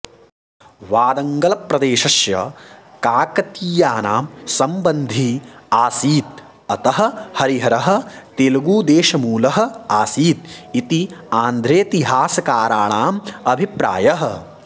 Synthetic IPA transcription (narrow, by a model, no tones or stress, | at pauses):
ʋaːd̪ɐŋɡɐlɐpɾɐd̪eːʃɐʃjɐ̰kaːkɐt̪iːjaːnaːmsɐmbɐnd̪ʱiaːsiːt̪̚ | ɐt̪ɐɦɐ̆hɐɾiɦɐɾɐɦɐ̆t̪eːlɐɡuːd̪eːʃɐmuːlɐɦɐ̆aːsiːt̪̚it̪iaːnd̪ʱɾeːt̪iɦaːsɐkaːɾaːɳaːmɐbʱipɾa̰ːjɐɦɐ̆